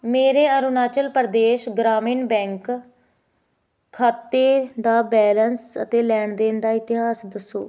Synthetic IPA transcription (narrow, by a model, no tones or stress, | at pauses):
meːɾeːəɾunaːt͡ʃəlpəɾd̪eːʃɡɾaːmiːnbɛ̃ːŋk | aːt̪ːeːd̪aːbɛːlənsə̰t̪eːlɛːɳd̪eːnd̪aːɪt̪ɪɦaːsd̪əsːoː